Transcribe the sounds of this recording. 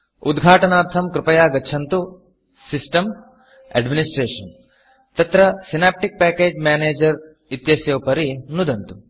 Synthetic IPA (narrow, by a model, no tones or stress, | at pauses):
ud̪ɡʱaːʈɐnaːɾt̪ʰɐmkɾɪpɐjaːɡɐːt͡ʃʰɐnt̪u | sisʈɐm | ɐ̰ɖminisʈɾeːʂɐn | t̪ɐt̪ɾɐsinaːp̚ʈik̚paːkeːd͡ʒmjaːneːd͡ʒɐɾ | it̪jɐsjɐwpɐɾinud̪ɐnt̪u